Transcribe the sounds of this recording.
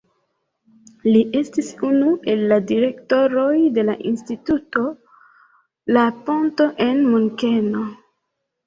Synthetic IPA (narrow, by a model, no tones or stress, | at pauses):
liʔe̞stisunuʔe̞lːadiɾe̞kto̞ɾojde̞laʔinstituto̞ | laponto̞ʔe̞nmuŋkeno̞